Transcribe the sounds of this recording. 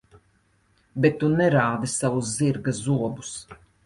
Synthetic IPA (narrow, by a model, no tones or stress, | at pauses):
bet̪ːunɛɾaːd̪isavuzziɾɡazuɔbus